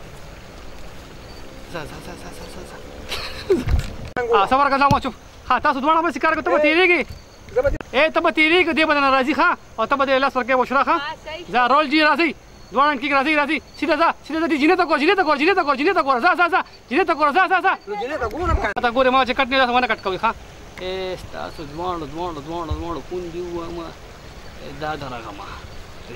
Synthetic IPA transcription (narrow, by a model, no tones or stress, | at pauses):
zazazazazazaa | asɐbɐɾkɐzaːmaːt͡ʃup | haːt̪aːsod̪waːɽ̃ãːbɐsi̥kaːɾkot̪ɐbɐt̪eːɾeːɡe | eːt̪ɐbɐt̪eːɾeːked̪eːbɐnanaɾaːzixʰãː | ɔːt̪ɐbɐd̪elaːsɐɾk̬eːboʃʰuɾaːxʰãːzaːɾoːld͡ʒiːɾaːzɐi | d̪waːɽɐɳkiːkɾaːzɐiɾaːzisid̪azaːsilazaːdid͡ʒinet̪aɡoːɾd͡ʒinet̪aɡoːɾd͡ʒinet̪aɡoːɾad͡ʒinet̪̬aɡoːɾazaːzaːzaː | d͡ʒinet̪̬ɐɡoːɾazaːzaːzaː | ɐt̪aɡoːɾemaːɐt͡ʃekɐʈ̚ned̪aːsowɐnɐkɐʈkɐwjxãː | est̪a̰ːsod̪waːɽod̪wãːɳod̪waːɽod̪wãːɽokund̪iuwama | ḛd̪aːd̪ɐɾɐ̰ɣɐ̰ma̰